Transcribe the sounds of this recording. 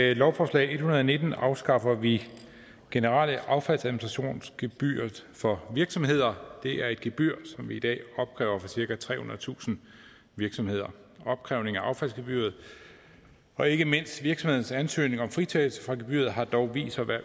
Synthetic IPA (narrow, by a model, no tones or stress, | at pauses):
lɒʊfɒslɛ̰ɪe̝d̥hunɐð̞ˠne̝d̥n̩ɑ̈ʊsɡ̥ɑ̈fɐʋi | ɡ̥e̝nəʁɑ̰ːləʔɑ̈ʊfæl̰sæðˠminisʁɑɕo̝̰ːnsɡ̥eb̥y̰ːɐðˠfɒ̽ʋiɐɡ̥sɒ̽mɦe̝ð̞̰ˠɐd̥e̝ʔæɐe̝d̥̚ɡ̥eb̥yɐ̰sɒ̽mʋiid̥ɛ̰ːɒ̽b̥̚kʰʁɛ̰ːʊɐfɒ̽siɐɡ̥æt͡sʰʁɛ̰ːhunɐð̩ˠt͡sʰṵːsn̩ | ʋiɐɡ̥sɒ̽mhe̝ð̞̰ˠɐ | ɒ̽b̥̚kʰʁɛʊne̝ŋæʔɑ̈ʊfæl̰sɡ̥eb̥y̰ːɐð̞̩ˠ | ɒ̽e̝ɡ̥əme̝n̰sʋiɐɡ̥sɒ̽mhe̝ðˠn̩sænsø̰ːne̝ŋɒ̽mfʁit͡sʰel̩sə̥fʁɑ̈ɡ̥e̝b̥y̰ɐð̞̩ˠɦɑ̈d̥ɒʊʋḭːsɐʋæɐ